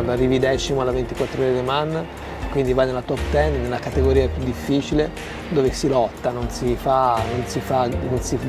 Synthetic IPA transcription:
d̪arivid̪ɛːt͡ʃimoalːavent̪ikwat̪ːɾoɾed̪emanː | kwind̪ivajnelat̪ɔpt̪ɛnnelːakat̪eɡoɾiːapjud̪ːifːiːt͡ʃile | d̪oːvesilɔt̪ːanonsifanonsifanonsi

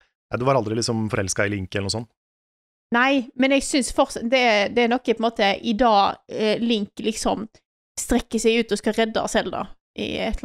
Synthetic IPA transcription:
næɪd̪ʉʋɑɾɑld̪ɾɪlɪksɔmfɔɾɛlskɑɪlɪŋkəɛlənʊːsɔnː | næɪmɛnɛɡsʏnsfɔɾt̪sɑd̪ɛæd̪ɛæɾnɔkːpʰɛmoːt̪əʔɪd̪ɑːlɪŋklɪksɔm | st̪ɾɛkːəsɛɡʉːt̪ɔskɑɾɛd̪ːɑsɛld̪ɑ̰ | ʔɪ̰ɛ̰t̪ʰː

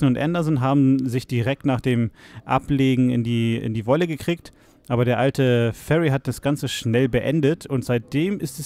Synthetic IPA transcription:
n̩ʊntʔɛndɐznɦaːbm̩zɪçd̥iʁɛk̚tnaːχd̥eːmʔa̰pleːɡŋ̩ɪ̰ndiːɪ̰ndiːvɔləɡəkʁ̥iːk̚t | ʔaːbɐɾeːɐʔaltʰəfɛʁiɦat̚d̥asɡ̥ant͡səʃnɛlbəʔɛndətʰʊntz̥aɪt̚d̥eːmɪstɛs

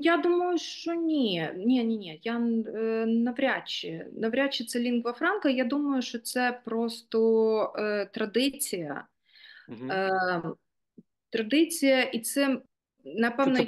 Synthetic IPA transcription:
jad̪umɐjʊʃt͡ʃɔnʲinʲɛnʲinʲeja | nɐʋɾʲat͡ɕːɪ̰nɐʋɾʲat͡ʃːɪt̪sɛlʲinɡʋɐfɾɑnkɐjad̪umɐjʊʃt͡ʃɔt̪sɛpɾost̪ɔ | t̪ɾɐd̪ɪt͡sʲijɐ̰ | t̪ɾɐd̪ɪt͡sʲijɐʔit̪sɛ | nɐpɛʋnɐ

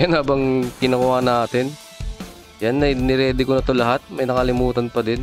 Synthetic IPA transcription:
janhaːbɐŋkɪnɐkʊʔaːnaːt̪ɪn | janːɐjnɪɾɛːd̪ɪkonɐt̪o̞lɐɦat̪̚mɐjnɐkɐlɪmuːt̪ɐnpɐd̪ɪn

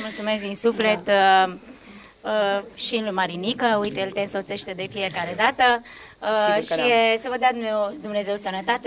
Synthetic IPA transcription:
mult̪sume̞sk̚d̪insufle̞t̪ | ʃinlumaɾinikəujt̪elt̪ensot̪se̞ʃt̪ed̪e̞fije̞kaɾe̞d̪at̪ə | ʃiesəvəd̪ead̪umed̪umne̞ze̞wsənət̪at̪e

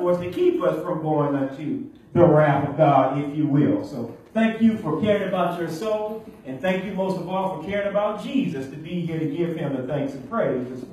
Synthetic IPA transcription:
ɔɹstʰɨkʰipʌsfɹʌ̃mɡoʊɪ̃ŋʌ̃ntʰʉ | ðəɹæpʌvɡɑɾɪfjɨwɪlˠsoʊθæ̃ŋkjɨfə˞kʰɛɹɪ̃ŋɨbaʊt͡ʃə˞soʊ̃lˠɨ̃nθæ̃ŋkjɨmoʊstʌvɔlˠfə˞kʰɛɹɪ̃ŋɨbaʊt̚d̥ʒ̥izɨstʰɨbiɦiɹɨ̃nɡɪv̥ɪ̃mɨθæ̃ŋksɨ̃n̩pʰɹ̥eɪzʌs

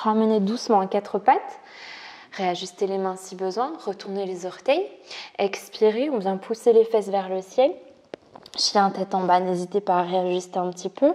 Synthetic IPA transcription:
ʁaməned̪usmɑ̃akʲat̪χəpat̪ | ʁeaʒyst̪elemɛ̃sibəzwɛ̃ʁət̪uʁnelezɔʁt̪ɛjɛkspiʁeɔ̃vjɛ̃pʰuselefɛs̬vɛʁləsjɛl | ʃiɛ̃t̪ɛt̪ɑ̃banezit̪epaːʁeaʒyst̪eɛ̃pt̪ipʰø

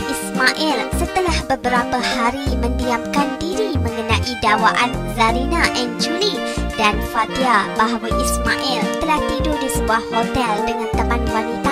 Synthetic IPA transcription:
ʔismaʔɛlsət̪əlahbəbəɾapahaɾimə̃ndiap̚kandiɾimə̃ŋənãʔidawaʔan | zaɾinaʔɛnd͡ʒuli | danfadiabaɦawaʔismaʔilt̪əlaht̪idudisəbuahhot̪ɛldəŋãnt̪əmãnwanit̪a

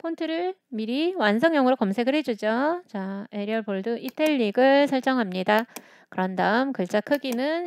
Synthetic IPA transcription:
pʰontʰɯɾɯɭmiɾiwansʰʌŋjʌŋɯɾokʌmsʰe̞ɡɯɭɦe̞d͡ʑud͡ʑot͡ɕaeɾiʌɭpoɭduʔitʰeʎːiɡɯɭsʰʌɭt͡ɕ͈ʌŋɦamɲida | kɯɾʌndaɯmkɯɭt͡ɕ͈akʰɯɡinɯn

